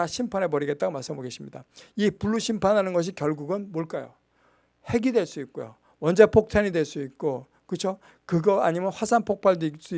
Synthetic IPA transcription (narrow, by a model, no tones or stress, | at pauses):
aɕʰimpʰane̞pʌɾiɡe̞t̚t͈aɡomaɭs͈ɯmboɡe̞ɕʰimɲida̰ipuɭːuɕʰimpʰanɦanɯnɡʌɕ̬ʰikjʌɭɡuɡɯnmoɭk͈ajo̰ | he̞ɡidwe̞ɭs͈uik̚k͈ojo̰ | wʌnd͡ʑe̞pʰok̚tʰaɲidweɭs͈uit̚k͈o | kɯt͡ɕʰo | kɯɡʌaɲimjʌnɸwasʰaŋnpʰok̚p͈aɭdis͈u